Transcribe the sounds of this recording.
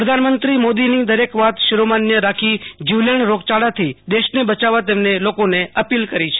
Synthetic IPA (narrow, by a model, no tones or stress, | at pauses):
pɾəd̪ʱanmənt̪ɾimod̪inid̪əɾekʋat̪ʃɪɾomanjəɾakʰid͡ʒiʋləɳɾoɡt͡ʃaɽat̪ʰid̪eʃnebət͡ʃaʋat̪emnelokoneʔəpilkəɾit͡ʃʰe̥